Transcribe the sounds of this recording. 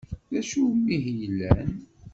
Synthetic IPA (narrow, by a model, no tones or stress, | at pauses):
ðæʃumːiɦjəlːæn